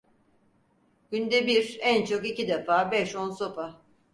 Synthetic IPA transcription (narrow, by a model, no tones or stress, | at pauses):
ɟ̥ynd̪ɛbiɾænt͡ʃʰo̞kicid̪ɛfaːbɛʃo̞nso̞pa